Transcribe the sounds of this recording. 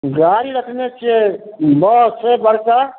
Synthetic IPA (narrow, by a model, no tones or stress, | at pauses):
ɡaːɾiɾəkʰnet͡ʃʰiebəsebəɾsa